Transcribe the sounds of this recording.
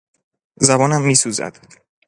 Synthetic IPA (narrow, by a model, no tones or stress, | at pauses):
zæbɒːnæmːiːsuːzæ̰d̪̥